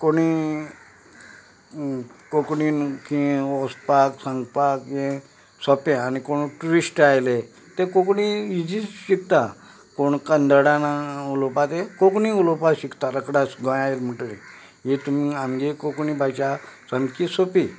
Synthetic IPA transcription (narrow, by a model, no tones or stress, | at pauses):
koɽi | kokɳiːnkĩɔspaksãŋɡpakjẽ | sɔpẽanikoɳ̃uʈuɾisʈajle | t̪ekokɳiid͡ʑiɕikt̪a | koɳkənd̪əɽanaulopat̪ekokɳĩulopaɕikt̪aɾəkɽasɡɔ̃jaelm̤əʈle | jet̪umiamɡekokɳibʱajt͡ɕasəmkisopi